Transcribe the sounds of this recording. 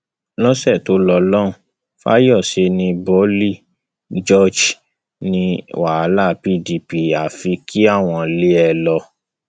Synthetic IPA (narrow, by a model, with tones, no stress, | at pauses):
lɔ̃˦sɛ˦˨to˨˦lɔ˧lɔ̃˦ũ˨˦ | fa̰˦jɔ˦˨ʃe˧nĩ˧bɔ˦li˦˨ | d͡ʒɔ˦˨d͡ʒ | nĩ˧wa˨a˨˦la˦˨pi˦˨di˨pi˨a˨fi˧kʰi˦a˦˨w̃ɔ̃˧le˦ɛ˧lɔ˧